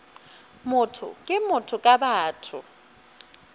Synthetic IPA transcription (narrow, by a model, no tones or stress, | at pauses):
mʊtʰʊ̰kʼɪmʊtʰʊkʼabaːtʰʊ̰